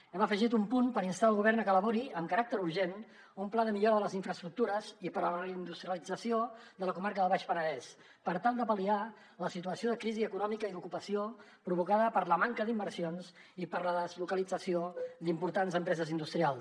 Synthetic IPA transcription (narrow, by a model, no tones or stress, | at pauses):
ɛməfəʒit̪umpunpəɾinst̪aəlˠɣuβ̞ɛrnəkələβuɾiəmkəɾak̚t̪əɾuɾʒen | umplaðəmiʎoɾəðələziɱfɾəst̪ɾuk̚t̪uɾəzipəɾləind̪ust̪ɾiəlid͡zəsiod̪ələkumaɾkəðəβaʃpənəðɛs | pəɾt̪alˠd̪əpəlia | ləsit̪uəsioðəkɾiziəkunɔmikəiðukupəsio | pɾuβukaðəpəɾləmaŋkəðimbəɾsions | ipəɾləðəzlukəlid͡zəsiod̪impuɾt̪anzəmpɾɛzəzind̪ust̪ɾialˠ